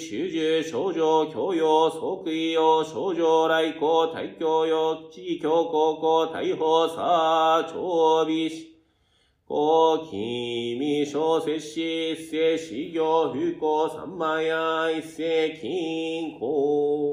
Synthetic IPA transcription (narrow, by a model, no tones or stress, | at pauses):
ɕyd͡ʑɨɕod͡ʑokʰjojosokɯijoɕod͡ʑoɾaikot̪ʰa̰ikʲjojot͡ɕikʰʲjokokot̪ʰa̰iɦosa̰t͡ɕʰobiɕ | kokʰimiɕoseɕiseɕiɡjoɦykosa̰mːajaisekʰiŋkʰo